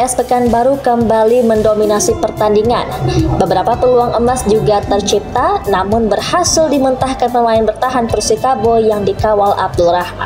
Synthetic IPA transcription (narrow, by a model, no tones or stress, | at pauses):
ɛsbəkanbaɾukəmbaliməndominasipərt̪andiŋa̰nbəbəɾapapəluaŋʔəmasd͡ʒuɡat̪ərt͡ʃip̚t̪anamʊnbərhasɪldimənt̪ahkanpəmaɪnbərt̪aɦanpərsikabojaŋdikawala̰b̚dulrahma̰